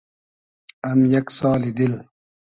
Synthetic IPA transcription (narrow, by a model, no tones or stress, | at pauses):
ɐmjɐksaːlid̪il